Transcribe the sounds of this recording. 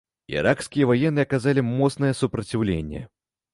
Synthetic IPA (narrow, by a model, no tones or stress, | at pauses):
ḭɾʔakskʲijɐvajɛnːɨɐkazalʲimɔt̪snɐjɛsupɾɐt͡sʲiwlʲḛnʲːɛ̰